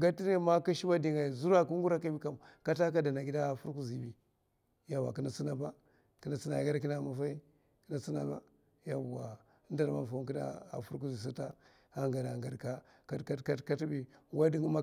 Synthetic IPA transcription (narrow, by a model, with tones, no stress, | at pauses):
ɡa˦ti˦ne˦ma˦ka˦ʃi˦ba˦di˨ŋa˨i˨zu˦ɾa˦ku˦ŋ˦ɡu˦ɾa˦ka˦bi˦ka˦m˨ka˦ta˦k̬a˦da˨na˨ɡi˦da˦˨fu˦ɾku˦zi˨bi˨ | ja˨wa̰˨ki˦na˨t͡si˦na˦ba˦ | ki˦na˨t͡si˦na˨ɡa˦ɾk̬i˦na˦˨ma˨fa˦i˦ | ki˦na˨t͡si˦na̰˦ba̰˦ | ja˦˨wa˨˦ | n˦da˨ɾma˦˨fa˨˦ki˦da̰˦a̰˨fu˦ɾk̬u˦zi˨s̬i˦ta˦ | a˦ŋɡa˨da˨ŋɡa˨ɾka˦ | ka˦ka˦ka˦ka˦ti˦bi˦˨wa˦di˦ŋ˦ma˦